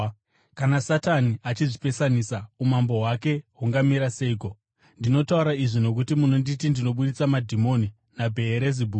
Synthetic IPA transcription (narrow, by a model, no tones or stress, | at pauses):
kanasataniat͡ʃiʐipe̞sanisaumambo̞wake̞ɦuŋɡamiɾase̞iko̞ | ndino̞tauɾaiʐino̞k̬utimunonditindino̞ɓuɗit͡samadʱimo̞ni | nabʱe̞ːɾezibʱu